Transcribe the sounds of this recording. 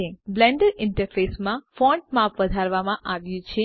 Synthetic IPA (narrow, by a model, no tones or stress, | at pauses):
eblɛɳɖəɾɪɳʈəɾfesmãfɔ̃ɳʈ̚mapʋəd̪ʱaɾʋamãʔaʋjũt͡ʃʰe